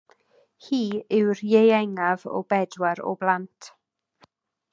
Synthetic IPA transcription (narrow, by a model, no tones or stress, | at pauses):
hiːɪwrjejɛŋavɔ̰bɛdwaɾɔ̰blˠantʰ